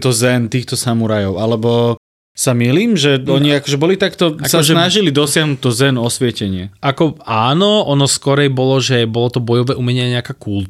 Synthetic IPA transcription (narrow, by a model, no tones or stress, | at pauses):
t̪ɔzɛnt̪iːxt̪ɔsamuɾajɔʊalɛbɔ | samiliːmʒɛɔɲiakɔʒɛbɔlit̪akt̪ɔasʒɛnaʒilid̪ɔsɪaɦnut̪ːɔzɛnɔsʋɪɛcɛɲɪɛʔakɔaːnɔɔnɔskɔɾɛjbɔlɔʒɛbɔlɔt̪ɔbɔjɔʋɛʔumɛɲɛaɲɛakaːkult̪